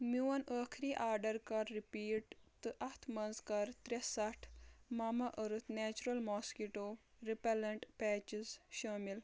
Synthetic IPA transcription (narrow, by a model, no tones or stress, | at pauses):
miwɐnəːkʰɾiːʔaːɾɖɐɾkɐɾːipiːʈt̪ɨʔɐt̪ʰmɐnzkɐɾt̪ɾesɐʈʰmaːmɐʔəɾɨt̪ʰnɛːt͡ʃuɾɐlmɔːskiʈoː | ɾipɐlɐɳʈpɛːt͡ʃizʃɐːmil